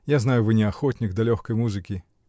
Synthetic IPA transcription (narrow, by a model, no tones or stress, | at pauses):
jaznajʊvɨnʲɪɐxɔtʲnʲɪɡd̪ɐlʲɔxkəjmuzɨkʲɪ